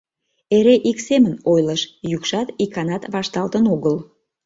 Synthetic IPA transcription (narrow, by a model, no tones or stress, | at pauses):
eɾeʔiksemənojləʃjykʃɑt̪ikɑnɑt̪βɑʃt̪ɑlt̪ənoɣəl